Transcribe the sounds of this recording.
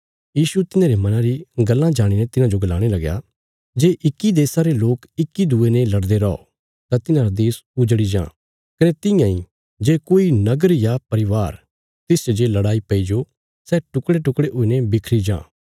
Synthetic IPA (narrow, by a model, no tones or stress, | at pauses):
jiːsut̪ɪnãːɾemɐnãɾiɡɐlːãd͡ʒaːɽ̃inɛt̪ɪnãd͡ʒoɡɐlaːɽ̃elɐɡja̰ | d͡ʒeːʔɪkːid̪eːsãɾeloːkɪkːid̪uːenelɐɽd̪eɾɔɔ̰ | t̪ãt̪ɪnãɾad̪eːsʊd͡ʒɽid͡ʒã̰ː | kɐnɛt̪ɪ̃jãːĩ | d͡ʒeːkoːinɐɡəɾjapɐɾɪʋaːɾ | t̪ɪsd͡ʒod͡ʒeːlɐɽaːipɐid͡ʒo | sɛːʈʊkɽeʈʊkɽeʔʊːinebɪkʰɾid͡ʒã̰ː